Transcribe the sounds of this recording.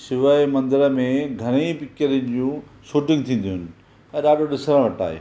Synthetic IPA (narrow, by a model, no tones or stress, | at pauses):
sɪʋaemɐ̃nd̪ɪɾəmẽɡʱɐɾ̃ipɪkt͡ɕəɾənɪ̆d͡ʑũːʃuːʈɪ̃ŋɡt̪ʰĩːnd̪ijʊnɪ̆ | ɛ̃ːɾaːɖoɗɪsɾə̃ʋɐʈa̰ːɦḛː